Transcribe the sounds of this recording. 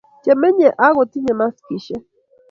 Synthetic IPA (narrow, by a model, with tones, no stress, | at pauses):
t͡ʃe˨me˦ɲe˨ʔa˦ɣo˨ti˦ɲe˨ma˦ski˨ʃe˦